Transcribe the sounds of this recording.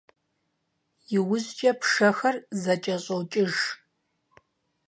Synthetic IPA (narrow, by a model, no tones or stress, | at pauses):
jɪwʊzt͡ʃʼɐpʰʂɐxɐrzɐt͡ʃʼɐɕʼowt͡ʃʼɪʒ